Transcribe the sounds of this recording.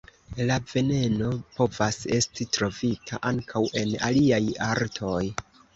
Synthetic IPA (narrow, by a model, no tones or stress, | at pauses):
lave̞ne̞no̞po̞vase̞stitɾo̞vitʰa̰ʔaŋkʰawʔe̞na̰liajaɾtʰo̞j